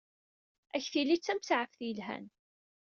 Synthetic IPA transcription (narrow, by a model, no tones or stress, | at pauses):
æçθilit͡sːæmt͡sːʕəfθjəlɦæ̰n